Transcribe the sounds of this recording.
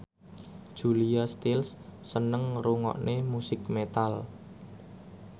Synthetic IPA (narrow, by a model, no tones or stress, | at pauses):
d̥ʒ̥uliast̪ilsːənəŋruŋɔ̰ʔnemusɪk̚met̪al